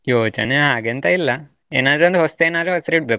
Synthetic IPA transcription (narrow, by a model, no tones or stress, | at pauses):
joːt͡ʃɐ̰neɦaɡent̪ailːɐ | enaːd̪ɾond̪ɦost̪enaːd̪ɾeɦosɾeʈ̚bek